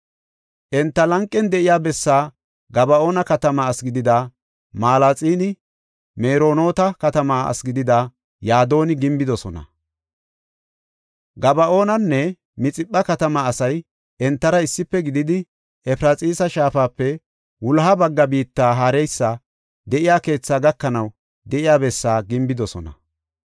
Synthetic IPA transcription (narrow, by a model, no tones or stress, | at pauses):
ʔɛnt̪ːɐlɐŋkʼːɛnd̪ɛʔɪjaːbɛsːaː | ɡɐbɐʔo̞ːnɐkɐt̪ɐmɐːsɡɪd̪ɪd̪a | maːlat͡sʼiːnɪ | meːɾo̞ːno̞ːt̪ɐkɐt̪ɐmaːɐ̰sɡɪd̪ɪd̪a | jaːd̪o̞ːnɪɡɪmbɪd̪ɔsɔnɐ̰ | ɡɐbɐʔo̞ːnɐnːɛ | mɪt͡sʼɪpːɐkɐt̪ɐmɐːsɐj | ɛnt̪ːɐɾɐɪsːɪpːɛɡɪd̪ɪd̪ɪ | ɛpɪɾat͡sʼiːsɐʃaːfaːpːɛ | wʊlɦɐbɐɡːɐbiːt̪ːaːɦaːɾɛjsːɐ | d̪ɛʔɪjaːke̞ːt͡sːaːɡɐkːɐnɐw | d̪ɛʔɪjaːbɛsːaːɡɪmbɪd̪ɔsɔnɐ̰